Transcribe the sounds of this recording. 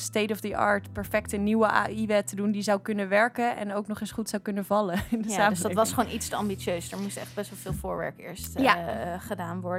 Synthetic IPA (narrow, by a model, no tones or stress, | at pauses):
stejtɔfdiʔɑ̰ːɹtpɛɹfɛk̚təniwəʔa̰iʋɛtədundizawkɵnəʋɛɹkənɛ̰nowknɔχɪnsχutsawkɵnəvɑləɪndəaːmsldtʋɑsχəʋonʔitstəɑmbit͡ʃøɥsdəɹmustɛχd̚bɛsʋɛlˠvɪːlˠvʊːɹʋɛ̰ɹkɪ̰ːɹstjaχədaːnʋɔɹd